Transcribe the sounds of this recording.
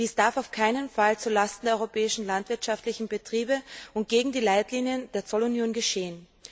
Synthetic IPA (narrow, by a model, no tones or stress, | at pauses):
d̥iːsd̥aɐfaʊfkʰaɪnənfalt͡suːɐlastn̩deːɐɔʏʁopʰɛːɪʃn̩lantv̥ɪɐtʃaftlɪçn̩bətʁ̥iːbəʔʊnt̚ɡ̥eːɡŋ̩diːlaɪtliːnjənd̥eːɐt͡sɔlʊnjoːnɡəʃeːən